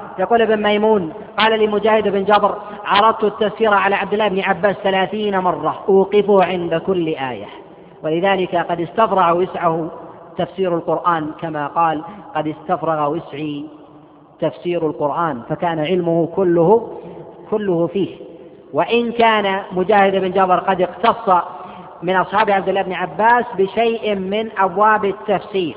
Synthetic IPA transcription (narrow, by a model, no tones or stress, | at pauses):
jɑquːlʔɪbɪnmajmuːn | qɑːlalimʊd͡ʒaːhɪd̪ɪbɪnd͡ʒabɾ | ʕɑɾˤɑd̪̚ˤt̪ʊat̪ːafsiːɾaʕalaːʕabd̪ɪlːaːʔɪbnɪʕabːaːsθalaːθiːnamɑrˤːɑwuːqɪfʊhʕɪnd̪akʊlːʔaːja̰ | walɪðaːlɪkaqɑd̪ɪst̪afɾˤɑɣwɪsʕahʊ | t̪afsiːɾalqʊɾʔaːnkamaqɑːlqɑd̪ɪst̪afɾˤɑɣawɪsʕi | t̪afsiːɾalqʊɾʔaːnfakaːnaʕɪlmʊhʊkʊlːʊh | kʊlːʊhʊfiːh | waʔɪnkaːnamʊd͡ʒaːhɪd̪ɪbɪnd͡ʒabɑɾˤqɑd̪ɪqt̪ɑsˤːɑ | mɪnʔɑsˤħɑːbʕab̚d̪ɪlːaːɪbniʕabːaːsbɪʃejʔmɪnʔabwaːbɪt̪ːafsiːɾ